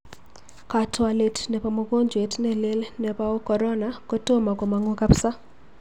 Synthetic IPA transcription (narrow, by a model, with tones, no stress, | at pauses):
ka˨twa˨le˨tnɛ˨pa˨mo˨ɡo˦ɲd͡ʒwe˨tnɛ˦le˦lnɛ˨pa˦o˦kɔ˨ɾɔ˦na˨ko˦to˦ma˨ko˨ma˨ŋo˦ka˦psa˦